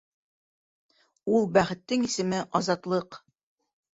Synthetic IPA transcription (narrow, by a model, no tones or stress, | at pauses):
ulˠbæχɘ̆t̪ːɘŋisɘ̆mɘʔɒzɑt̪lˠɤq